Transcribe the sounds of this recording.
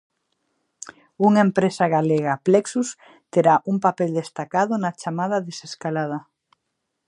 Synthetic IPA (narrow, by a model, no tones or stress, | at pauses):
uŋaempɾesaɣaleɣapleksus | t̪eɾaʔuŋpapeld̪est̪akaðʊnat͡ʃamað̞aðeseskalað̞ɐ